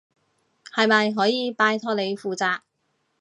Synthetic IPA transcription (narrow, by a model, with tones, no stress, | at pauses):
hɐ˨jmɐ˨jɦɔː˨˥jiː˨˧paː˧jt̪ʰɔː˥le˨˧jfuː˨t͡saː˧k̚